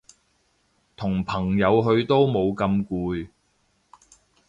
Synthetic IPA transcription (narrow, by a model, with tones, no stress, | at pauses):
t̪ʰʊ˨˩ŋpʰɐ˨˩ŋjɐ˨˧wɦɵ˧ɥt̪o˥wmo˨˧wkɐ˧mkuː˧j